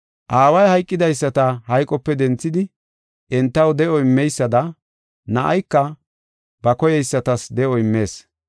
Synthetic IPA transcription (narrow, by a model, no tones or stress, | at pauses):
ʔaːwɐjhɐjkʼːɪd̪ɐjsːɐt̪ɐhɐjkʼːɔpːɛd̪ɛnt͡sːɪd̪ɪ | ɛnt̪ːɐwd̪ɛʔɔɪmːɛjsːɐd̪ɐ | nɐʔɐ̰jkːɐ | bɐkɔjɛjsːɐt̪ɐsd̪ɛʔɔɪmːe̞ːs